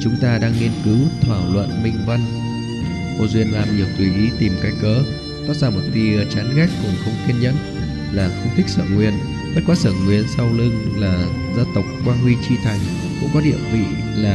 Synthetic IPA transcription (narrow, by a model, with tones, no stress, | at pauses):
t͡ɕʊ˨˦ŋ͡mt̪aː˧ɗaː˧ŋːi˧ənkɨ˨˦wt̪ʰwaː˧˩wlwə̰˧˨nmï˧ŋ̟və˧n | ʔo̰˧˩zwi˧˩ənlaː˨˩mʔɨ˨˩ək̚t̪wi˧˩ʔi˨˦t̪i˨˩mka˧jkəː˨˦ | kɔ˨˦˥zaː˧˩mo˨˩t̚ɗi˧t͡ɕaː˨˦nɣɛː˦˥k̚ko˨˩nxə˧wŋ͡mxwi˧ənɲə̰˧˥n | laː˨˩xə˧ŋ͡mt̪ʰk̚sə̰ː˧˨ŋwi˧˩ən | ɓə˦˥t̚kwa˨˦səː˧˩ŋwi˨˩ənsa˧wlɨ˧ŋlaː˨˩zəː˧t̪ə˨˩k͡p̚kwaː˧nhwi˧t͡ɕi˧t̪ʰa˨˩jŋ̟ | kʊ̰˧˥ŋ͡mkɔ˨˦ɗḭ˧˨əmvḭ˧˨ | laː˨˩